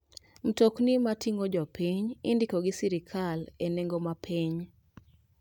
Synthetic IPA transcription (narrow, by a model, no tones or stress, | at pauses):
m̩toknimatʰiŋod͡ʒɔpiɲindikoɡɪsiɾikʰaleneŋɡomapʰiɲ